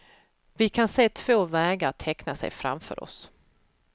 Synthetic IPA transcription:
vɪkʰanseːt̪ʰv̥oːvɛːɡaɾʈ̪ʰɛknasɛ̰jfɾa̰mfœ̰ːɾʔɔ̰s

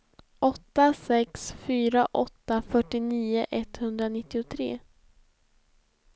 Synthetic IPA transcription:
ʔɔt̪ːasɛksfyːɾaʔɔt̪ːafœʈːɪniːʊʔɛt̪hɵnd̪ɾanɪt̪ːɪʊt̪ʰɾḛː

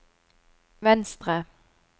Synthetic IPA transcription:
ʋɛnst̪ʁə

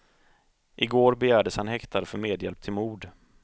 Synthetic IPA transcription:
ʔɪɡoːɾbɛjæːɖəshanhɛkt̪ʰaɾəfœɾmeːd̪jɛlp̚t̪ʰɪlmuːɖ

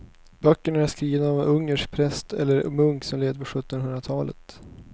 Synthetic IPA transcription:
bœkːəɳæʂkɾiːvənaavɛnɵŋːəʂk̚pʰɾɛst̪ʰɛ̰lːəɾmɵŋksɔmleːd̪əpʰɔɧɵt̪ːɔnɦɵnd̪ɾat̪ʰɑːlə̰t̪

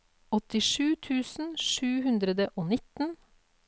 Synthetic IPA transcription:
ɔt̪ɪʂʉːt̪ʰʉːsn̩ʃʉːhʉnd̪ɾəd̪əʔoːnɪt̪n̩

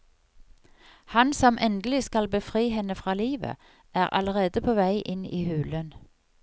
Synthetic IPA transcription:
hɑnsɔmʔɛnd̪əlɪskɑlbəfʁiːhɛnəfʁɑːliːʋə̰ | ʔæːʁʔɑ̰ləʁeːd̪əpʰoːʋæɪʔɪniːhʉːlən

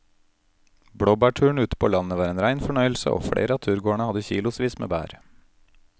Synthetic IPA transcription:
bɽoːbæːʈʰʉːɳ̩ʉːt̪ə̥pʰoːlɑnnəʋɑːɾeːnɾæɪnfɔɳœʏəlsə̰ʔo̰ːfɽḛɪɾəɑːt̪ʰʉːɾɡoːəɳəhɑd̪əçiːlʊsʋiːsmḛːbæ̰ːɾ

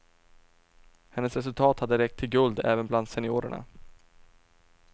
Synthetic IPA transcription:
hɛnːəsɾɛs̬ɵlt̪ʰɑːt̪had̪ːəɾɛk̚t̪ʰːɪlɡɵld̪ɛ̰ːvənbland̪sɛnɪoːɾə̰ɳa̰

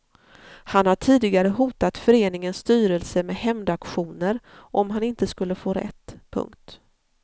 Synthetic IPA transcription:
hanhaʈʰiːd̪ɪɡaɾəɦuːt̪at̪fœɾeːnɪŋənst̪yːɾɛlsəmeːɦɛmd̪akɧuːnəɾʔɔmɦanɪnt̪əskɵlːəfoːɾɛ̰t̪ːpʰɵ̰ŋkt̪

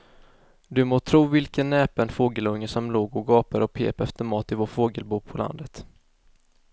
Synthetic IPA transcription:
d̪ɵmoːt̪ʰɾuːvɪlkənːɛːpənfoːɡəlɵŋːəsɔmloːɡɔɡɑːpaɾɔpʰḛːpɛft̪əmɑːt̪ɪvoːʈfoːɡəlbuːpʰɔlʔa̰nd̪ət̪

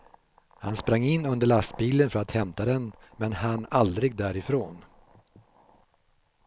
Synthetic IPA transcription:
ha̰nspɾaŋːɪnːɵnd̪əɭast̪biːlənfœɾat̪hɛmt̪ad̪ɛnmɛnhanald̪ɾɪɡ̚d̪æːɾɪfɾoːn

